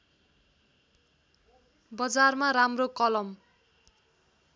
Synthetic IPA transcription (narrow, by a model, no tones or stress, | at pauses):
bʌd͡zarmaɾamrokʌlʌm